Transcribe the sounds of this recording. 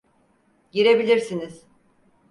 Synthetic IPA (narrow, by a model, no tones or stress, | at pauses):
ɟiɾe̞bilʲiɾsiniz̥